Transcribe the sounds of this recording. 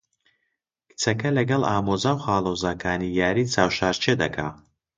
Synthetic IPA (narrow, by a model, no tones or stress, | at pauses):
kʰɨ̥t͡sɐkɐlɐɡɐlˠaːmozaːwχaːlˠozaːkʰaːnijaːɾiːt͡sʰaːwʃaːɾt͡ʃʰed̪ɐkʰa̰ː